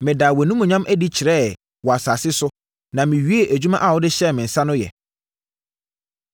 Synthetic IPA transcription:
mɪ̃˨daː˨wæ˨nũ˦mʊ̃˨ɲã˦mʔæ˦di˦t͡ɕʰɪ˨ɾɛ˦˨ | wɔ˨a˨saː˨sɪ˦sʊ˦ | nã˨mɪ̃˨ɥi˦e˦ʔæ˨d͡ʑᶣu˦mã˦ʔa˦˨wɔ˦dɪ˦ɕɛ˦˨mɪ̃˨n̩˨sã˦nʊ̃˦jɛ̰˨

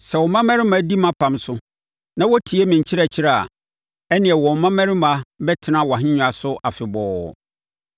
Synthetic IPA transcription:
sɛ˨wɔ˨mã˦mɛ̃˦ɾɪ˦mã˨˦di˦mã˦pʰã˨msʊ˦ | nã˦wɔ˦tʰi˨e˦mĩ˨ɲ̩˨t͡ɕʰɪ˦ɾa˨t͡ɕʰɪ˦ɾa˦˨a̰˨ | ɛ˦nɪ̃˨ɛ˨wɔ̃˨mã˦mɛ̃˦ɾɪ̃˦mã˨˦bɛ˦tʰɪ˨nã˦wa˨ɦɪ̃˦ɲᶣʊ̃˨a˨sʊ˦ʔa˨fɪ˨bɔː˨˦˨

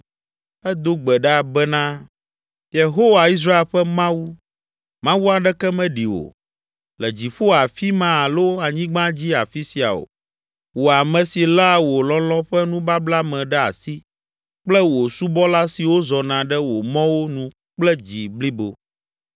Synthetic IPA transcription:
ɛ˦d̪o˦ɡ͡bɛ˨ɖɛ˦a˨bɛ˦nã˦ | je˨ɦo˦wa˨i˦s̬ɾa˦e˨lɸɛ˦mã˦wu˦ | mã˦wu˦a˨ɖɛ˦kɛ˦mɛ̃˦ɖi˨wo̰˨ | lɛ˨d͡ʑi˨ɸo˦a˨fi˦mã˦a˨lo˦a˨ɲĩ˦ɡ͡bã˦d͡ʑi˦a˨fi˦si˨a̰˨o̰˨ | wo˨a˨mɛ̃˨si˨la˦wo˨lɔ̃˦lɔ̃˦ɸɛ˦nũ˦ba˦bla˦mɛ̃˨ɖɛ˦a̰˨si˦ | k͡plɛ˦wo˨su˦bɔ˦la˦si˨wo˦zɔ˨nã˨ɖɛ˦wo˨mɔ̃˦wo˦nũ˨ | k͡plɛ˦d͡ʑi˨bli˦bo˨

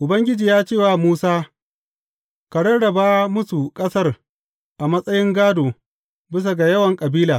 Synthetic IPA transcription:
ʔʊ˨bɐ˦ŋɡʲɪ˦d͡ʒiː˨jaː˦t͡ʃeː˦˨waː˨muː˦saː˦ | ka˨ɽɐ˦ɽɐ˨baː˦mʊ˦su˨kʼɐ˦sɐ˦r | ʔa˨mɐ˦sʼɐ˦jɪ˦ŋɡaː˦doː˨ | bɪ˦s̬a˨ɡa˨jɐ˦wɐ˨ŋkʼɐ˨biː˦laː˨

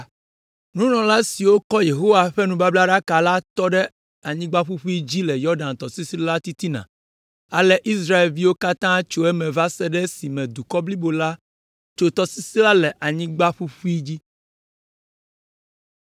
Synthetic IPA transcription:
nũ˦nɔ̃˨la˦si˨wo˦kɔ˦je˨ɦo˦wa˨ɸɛ˦nũ˦ba˦bla˦ɖa˦ka˨la˦t̪ɔ˦ɖɛ˦ | a˨ɲĩ˦ɡ͡ba˦ɸu˦ɸu˦i˦d͡ʑi˦lɛ˨jɔ˦ɖã˨nt̪ɔ˨si˦si˦la˦t̪i˦t̪i˦nã̰˨ | a˨lɛ˦ʔi˦s̬ɾa˦e˨lvi˦wo˦ka˦t̪ã˦t͡ʃo˦ɛ˦mɛ̃˨va˦sɛ˦ɖɛ˦si˨mɛ̃˨d̪u˨kɔ˦bli˦bo˨la˦ | t͡ʃo˨t̪ɔ˨si˦si˦la˦lɛ˨ʔa˨ɲĩ˦ɡ͡ba˦ɸu˦ɸu˦i˦d͡ʑi˦

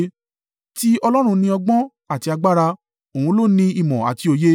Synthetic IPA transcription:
ti˦ɔ˧lɔ˦ɾ̃ũ˧nĩ˧ɔ˧ɡ͡bɔ̃˦ | a˦˨ti˨˧a˧ɡ͡ba˦ɾa˧ | o˨ũ˧lo˦˨nĩ˧i˨mɔ̃˨a̰˨ti˨˧o˧je˦

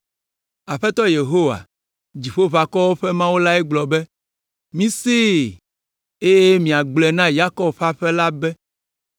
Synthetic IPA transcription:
a˨ɸɛ˦t̪ɔ˦je˨ɦo˦wa̰˨ | d͡ʑi˨ɸo˦va˨kɔ˦wo˦ɸɛ˦mã˦wo˦la˦ɛ˦ɡ͡blɔ˨bɛ˦ | mĩ˦se˦ | e˦je˦mĩ˨a˨ɡ͡blɛ˨nã˦ja˦kɔ˦bɸa˦ɸɛ˦la˦bɛ˦

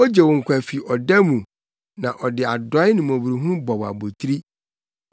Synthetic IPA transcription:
o˦d͡ʑe˨wɔ˨ŋ̩˨kʰʷa˨fi˨ɔ˨dɛ˦mũ˨ | nã˨ʔɔ˨dɪ˨a˨dɔ˨˦ɪ˦nɪ̃˨m˨ɔ̃˨bu˨ɾu˨ɦũ˦bɔ˨wa̰˨bo˨tʰɾi˦

